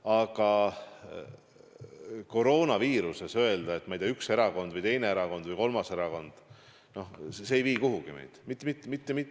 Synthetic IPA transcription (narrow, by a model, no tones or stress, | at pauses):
ɑɡ̥ɑ | ko̞ɾo̞ːnɑviːɾuse̞sø̞e̞ld̪̥ɑe̞t̪ːmɑjd̪iɑykse̞ɾɑɡo̞nd̪vɨjt̪e̞jne̞eɾɑko̞nd̪vɨjko̞lmɑse̞ɾɑko̞nd̪̥ | no̞hseejviːkuɦuɡ̥imḛjd̪̥mit̪ːˑmit̪ːˑmit̪ːemiˑ